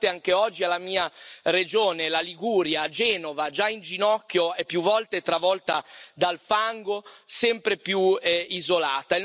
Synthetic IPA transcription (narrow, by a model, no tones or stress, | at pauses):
t̪eaŋk̟eɔd͡ʒːialːamiːared͡ʒoːnelaliɡuːɾjad͡ʒɛːnovad͡ʒaind͡ʒinɔkːjoɛpːjuvːɔlt̪et̪ɾavɔlt̪ad̪alfaŋɡosɛmpɾepjuɛizolaːt̪a